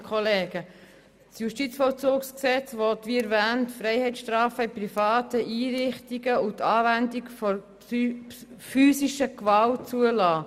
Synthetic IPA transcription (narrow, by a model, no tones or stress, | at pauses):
kʰχɔleːɡ̥ə | sjuʃtit͡sfɔlt͡suːksksɛt͡svɔtʋiɛɾvæːntfɾɛɪhɛɪt͡ssʃtɾɑːfəɪprifɑːtəʔiːɾɪχtiɡəʊtɑːvændikfɔ | fyːsiʃəkʋɑlt͡suəlɑː